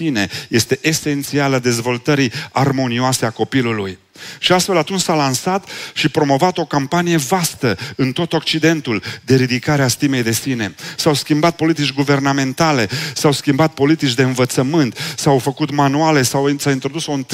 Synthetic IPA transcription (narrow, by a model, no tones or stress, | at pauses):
ine̞je̞st̪e̞ʔese̞nt̪sialəd̪e̞zvo̞lt̪əɾiarmo̞nioase̞ako̞piluluj | ʃiast̪fe̞lat̪unt͡ʃʲsalansat̪ʃipɾo̞mo̞vat̪o̞kampanije̞vast̪əɨnt̪o̞t̪o̞k̚t͡ʃid̪e̞nt̪uld̪e̞ɾid̪ikaɾeast̪ime̞jd̪e̞sine̞sawskʲimbat̪̚po̞lit̪it͡ʃʲɡuve̞rname̞nt̪ale̞sawskʲimbat̪̚po̞lit̪it͡ʃʲd̪e̞ɨnvət̪səmɨnt̪sawfəkut̪manuale̞sawsaint̪ɾo̞d̪usont̪